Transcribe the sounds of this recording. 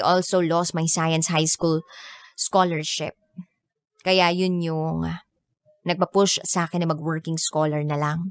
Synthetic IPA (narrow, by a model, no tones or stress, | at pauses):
ʔolsolost̪̚mɐjsajɐ̃nshajskulskolɛɹʃɪp̚ | kɐjajʊnjʊŋ | nɐɡ̚pɐpʊʃsɐʔaːkɛnːɐmɐɡwɛɹkɪŋskoːlɛɹnɐlaŋ